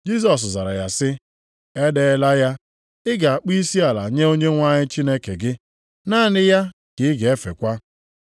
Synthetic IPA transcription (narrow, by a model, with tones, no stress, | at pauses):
d͡ʒi˦s̬ɔ˨s̬za˨ɾa˨ja˨sɪ˦ | e˦de˦la˦ja˦ | ɪ˦ɡa˨a˨k͡pi˦i˦si˦a˨la˨ɲe˦o˦ɲe˦ŋʷa˦ɲɪ˦t͡ʃi˦ne˦ke˨ɡɪ˦ | naː˦˨nɪ˦ja˦ | kɪ˨ɪ˦ɡe˨e˦fḛ˨kʷa˦